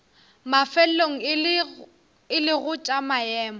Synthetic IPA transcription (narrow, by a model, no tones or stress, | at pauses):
mafɛl̩loŋ̩ | ɪlɪɣʊt͡ʃʼamajɛːmɔ